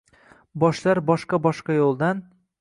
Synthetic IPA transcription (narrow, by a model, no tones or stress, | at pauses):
bɒʃlaɾbɒʃqɑbɒʃqɑjolˠd̪an